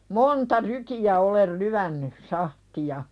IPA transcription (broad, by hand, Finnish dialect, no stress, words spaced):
montɑ rykij̆æ olel lyænːy sɑhtiɑ